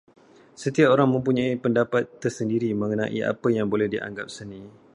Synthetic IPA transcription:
sət̪iapoɾaŋmə̃mpuɲãipəndapat̪ːərsəndiɾimə̃ŋənã̰ʔiʔa̰pəjaŋbolɛhdiʔa̰ŋɡa̰p̚sənĩ

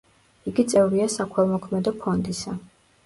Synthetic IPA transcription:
iɡit̪sʼɛvɾiasakʰwɛlˠmɔkʰmɛd̪ɔpʰɔnd̪isa

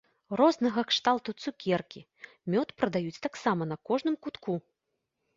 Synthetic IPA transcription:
rɔznɐɣɐkʂt̪alˠt̪ut̪sukʲɛrkʲi | mʲɔt̪pɾɐd̪ajut͡sʲt̪aksamɐnɐkɔʐnɨmkut̪ku

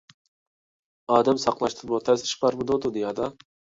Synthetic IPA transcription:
ɑːd̪ɛmsɑqlˠɑʃt̪ʰɨbot̪ʰɛsɪ̥ʃbɑɾmɨd̪od̪ud̪ɪjɑːd̪ɑ

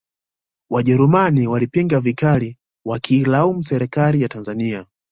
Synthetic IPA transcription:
waʄɛɾumaniwalipiŋɡavikali | wakʰiːlaum̩sɛɾɛkalijatanzania

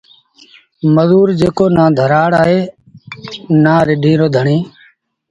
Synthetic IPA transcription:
məzuːɾd͡ʒeːkoːnãːd̪ʱəɾaːɽaːɦeː | naːɾɪɗĩːɾoːd̪ʱəɳẽː

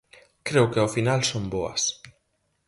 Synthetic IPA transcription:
kɾewkeawfinalsomboɐ̰s

